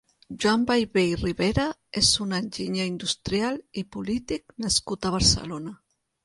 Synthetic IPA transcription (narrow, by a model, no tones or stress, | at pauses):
ʒwambajβejiriβeɾaezunanʲʒiɲaind̪ust̪ɾjalipulit̪ik̚naskut̪aβaɾsə̰lona